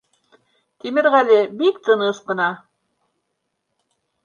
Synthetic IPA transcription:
t̪imɘɾʁælɘbik̚t̪ɤ̆nɤʃqɤ̆nɑ

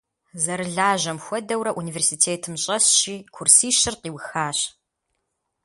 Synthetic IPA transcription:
zɐɾɨɮaːʑɐmxʷɔdɐwɾɐʔuniːversitʰeːtʰɨmɕʼɐɕɕiːkʷʰʊrsiːʃɪrqiːwxaːɕ

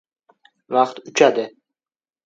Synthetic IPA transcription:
vɑqt̪ʊt͡ʃʰad̪ɪ

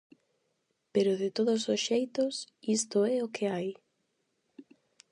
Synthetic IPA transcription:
peɾʊðɪt̪oðʊsosʃejt̪ʊs | ist̪ʊɛokʰɪaj

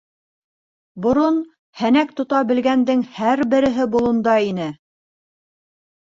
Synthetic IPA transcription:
bŏɾon | hænæk̚t̪ŏt̪ɑbɘ̆lɡænd̪ɘŋhæɾbɘ̆ɾɘ̆ɦɘbulˠŏnd̪ɑinɘ

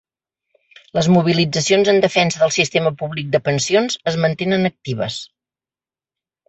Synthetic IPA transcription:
ləzmuβ̞ilid͡zəsionzənd̪əfɛnsəðəlˠsist̪eməpuβlik̚d̪əpənsionzəzmənt̪enənək̚t̪iβ̞əs

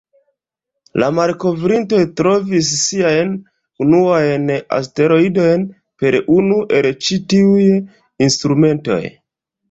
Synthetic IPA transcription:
lamaɾko̞vɾinto̞jtɾo̞vis̬ːiajn | unuajna̰ste̞ɾo̞ido̞jn | pe̞ɾunuʔe̞lt͡ʃitiuj | instɾume̞nto̞̰j

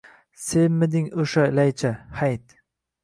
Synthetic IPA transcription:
semmːɪd̪ɪŋoʃalajt͡ʃʰahajt̪

